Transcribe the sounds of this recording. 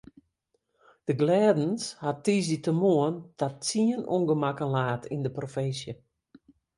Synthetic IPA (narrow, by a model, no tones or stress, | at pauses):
d̥əɡlɛːdnshatiːs̬itəmoəntʰatt͡siənṵnɡəmakənlaːtʰḭndəprofɪnsjə